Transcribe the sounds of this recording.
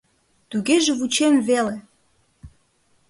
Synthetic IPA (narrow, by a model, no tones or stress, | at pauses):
t̪uɣeʒeβut͡ɕemvele